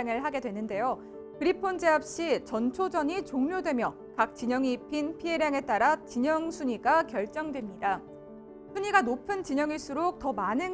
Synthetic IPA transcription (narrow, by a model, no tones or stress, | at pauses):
ŋɯɭɦaɡe̞dwe̞nːɯnde̞jo | kɯɾipʰond͡ʑe̞ap̚ɕ͈it͡ɕʌnt͡ɕʰod͡ʑʌɲit͡ɕoŋmjodwe̞mjʌ | kak̚t͡ɕ͈iɲʌŋiːpʰinpʰie̞ɾjaŋe̞t͈aɾat͡ɕiɲʌŋsʰuɲiɡakjʌɭt͡ɕ͈ʌŋdwe̞mɲida | sʰuɲiɡanopʰɯnt͡ɕiɲʌŋiɭs͈uɾok̚t͈ʌmanɯn